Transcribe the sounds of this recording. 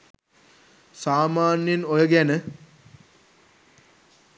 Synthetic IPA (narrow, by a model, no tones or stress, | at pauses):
saːmaːnjenojəɡænə